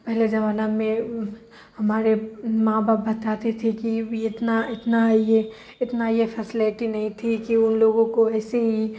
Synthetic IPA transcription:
pɛɦled͡ʒɐʋaːnamẽ | hɐmaːɾemãːbaːp̚bɐt̪aːt̪et̪ʰekiɪt̪naɪt̪naje | ɪt̪najepʰɛsɪleʈinɐɦĩt̪ʰikiʊnloːɡõkoɛːseɦi

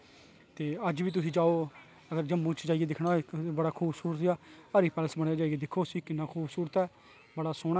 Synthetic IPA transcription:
t̪eːəd͡ʒʋiːt̪̬ʊsĩːd͡ʒaːoː | əɡəɾd͡ʒəmːũːt͡ʃd͡ʒaːɪeːd̪ɪkʰɽaːbəɽaːkʰuːbsuːɾət̪jaːaɾiːpɛːləsbəɽ̃jaːd͡ʒaːɪɡeːd̪ɪkʰːoːsiːkɪnːãːkʰuːbsuːɾət̪ɛː | bəɽaːsʊːɽ

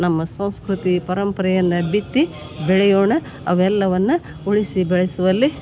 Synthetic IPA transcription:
nɐmːɐsɐ̃w̃skɾut̪ipɐɾɐmpɐɾɐjɐnːɐbit̪ːi | bɛɭɛjoːɳɐ | ɐʋɛlːɐʋɐnːu | uɭisibɛɭɛsuʋɐlːi

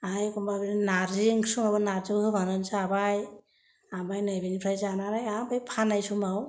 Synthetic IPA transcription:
ajkumbabininaɾziŋkʰsɯŋabɯnaɾzɯhɯbʱanansaabaj | abajnajbinipʰɾajzanaɾajabajpʰanajsumaw

